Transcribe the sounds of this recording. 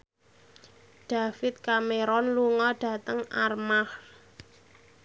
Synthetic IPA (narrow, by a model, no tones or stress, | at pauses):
ɖ̥a̤fɪt̪̚kameɾɔnluŋɔɖ̥ä̤t̪əŋarmah